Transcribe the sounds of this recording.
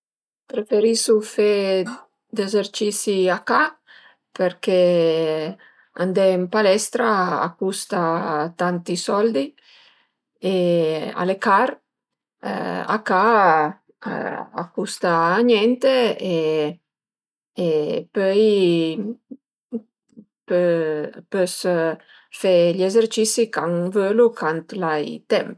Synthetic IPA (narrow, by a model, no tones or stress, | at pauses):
pɾefeɾisufe | d̪ezeɾt͡ʃisiaka | peɾkɛ | and̪ɛimpalɛst̪ɾaa̰kːust̪at̪ant̪isɔld̪i | ea̰lekaɾ̰ | a̰ka̰ | a̰kːust̪aːɲɛnt̪ee | epœj | pøpøs | fɛʎezeɾt͡ʃisikaŋvølukʰant̪lajt̪ɛmp